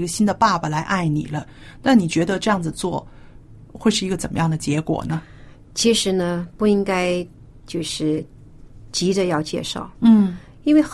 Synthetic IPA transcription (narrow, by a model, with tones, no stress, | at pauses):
i˧˥ɡə˧ɕi˥nd̪ə˨pa˥˩bə˨˩la˧˥ɪʔa˥˩ɪnḭ˨˩lə˦na˥˩nni˨˩t͡ɕɥɛ˧˥d̪ə˧ʈ͡ʂɤ˥˧jɑ˥˩ŋd͡zɹ̩˩t͡swɔ˥˧ | xwe˥˧ɪʂɻ̩˥˩i˧˥ɡə˧t͡sə˨˩nmə˦jɑ˥˩ŋd̪ə˩t͡ɕjɛ˧˥kwɔ̰˨˩nə˦ | t͡ɕʰi˧˥ʂɻ̩˧˥nə˧pu˥˩i˥ŋka˥ɪ | t͡ɕjo˥˧ʊʂɻ̩˥˩ | t͡ɕi˧˥də˧jɑ˥˧ʊt͡ɕjɛ̰˥˧ʂɑ̰˥˩ʊn̩˥˩ | i˥nwe˥˩ɪx